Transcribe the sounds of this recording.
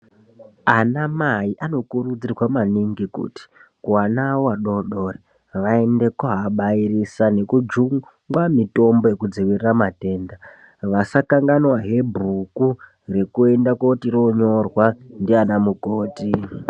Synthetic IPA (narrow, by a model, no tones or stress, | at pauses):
anamaiʔano̞kurud͡zirwamaniŋɡikṵti̥kuanaowaɗo̞ɗo̞re | ʋae̞nde̞kaɦaɓaiɾisane̞kud͡ʒuŋ | ŋɡwamito̞mbo̞je̞kud͡ziwiriramate̞ːnda | ʋasakaŋɡanwaɦe̞bruku | re̞kue̞ndakotiɾo̞ɲo̞rwandianamukoːti